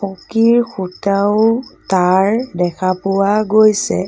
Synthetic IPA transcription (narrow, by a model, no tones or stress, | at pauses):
ɔkiɹxutaʊtaɹdɛkʰapʊwaɡojsɛ̰